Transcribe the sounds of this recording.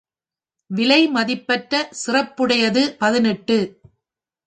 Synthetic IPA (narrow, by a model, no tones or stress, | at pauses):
ʋɪlɐɪmɐðɪpːɐʈɾɐsɪrɐpːɯɽɐjɐðɯpɐðɪnɛʈːɯ